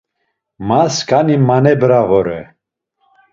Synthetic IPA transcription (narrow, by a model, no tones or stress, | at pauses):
maskʰʼanimanɛbɾavɔɾɛ